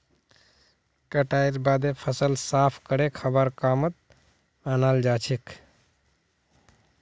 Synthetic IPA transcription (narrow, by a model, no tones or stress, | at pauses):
kəʈaiɾbad̪epʰəsəlsapʰkəɾekʰəbəɾkamət̪̚ | anald͡ʒat͡ʃʰik